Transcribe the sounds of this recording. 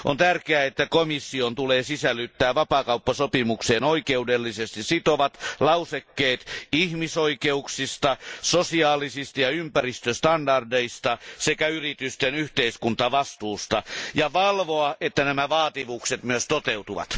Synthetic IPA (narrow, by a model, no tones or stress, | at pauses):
ʔo̰nt̪ærkeæet̪ːækomisːiont̪uleːsisælːˑyt̪ːæːʋɑpɑːkɑupːɑsopimukseːnoikeudelːisest̪issit̪oʋɑt̪lɑusekːeːt̪ihmisoikeuksist̪ɑsosiɑːlisist̪ɑjɑympærist̪øst̪ɑndɑrdeist̪ɑsekæyrit̪yst̪enyht̪eiskunt̪ɑʋɑst̪uːst̪ɑjɑʋɑlʋoɑʔet̪ːænæmæʋɑːt̪iʋukset̪myøst̪ot̪eut̪uʋɑ̰t̪